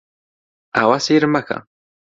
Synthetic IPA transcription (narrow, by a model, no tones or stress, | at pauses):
a̰wasiɾmaka̰